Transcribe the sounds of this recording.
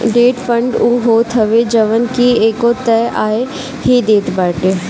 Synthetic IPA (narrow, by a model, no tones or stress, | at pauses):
ɖeːʈpʰə̃ɳɖuːɦoːt̪ʰɦəʋed͡ʒəʋənkieːkot̪ɛːʔaːe | ɦid̪eːt̪baːʈe